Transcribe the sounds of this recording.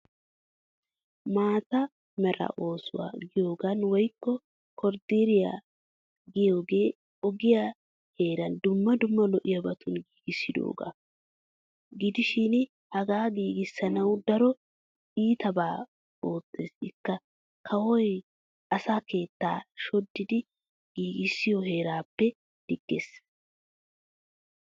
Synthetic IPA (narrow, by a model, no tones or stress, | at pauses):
maːt̪ɐ | mɛɾɐ̰ʔo̞ːsʊ̰wa̰ːɡɪjo̞ːɡɐnwɔjkːɔ | kɔɾd̪iɾɪja̰ | ɡɪjo̞ːɡe̞ː | ɔɡɪja | he̞ːɾɐnd̪ʊmːɐd̪ʊmːɐlɔʔɪjɐbɐt̪ʰʊnɡiːɡɪsːɪd̪o̞̰ːɡɐ̰ | ɡɪd̪ɪʃin | hɐɡaːɡiːɡɪsːɐnɐwd̪ɐɾɔ | iːt̪ɐbaː | oːt͡sːḛːsɪkːɐ | kʰɐwɔj | ʔɐsaːke̞ːt̪ːaːʃɔd̪ːɪd̪ɪ | ɡ̥iːɡɪsːɪjɔɦe̞ːɾaːpːɛ | d̪̥ɪɡ̥ːeːs